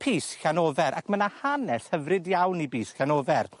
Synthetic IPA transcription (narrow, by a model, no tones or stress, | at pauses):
pʰiːsɬanoːvɛɾʔa̰kʰmənahanɛshəvrɨdjawnibiːsɬanoːvɛr